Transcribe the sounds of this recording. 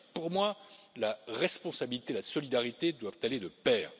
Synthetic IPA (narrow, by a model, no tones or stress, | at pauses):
puʁmwalaʁɛspɔ̃sabilit̪elasɔlid̪aʁit̪ed̪wavt̪aled̪əpɛːʁ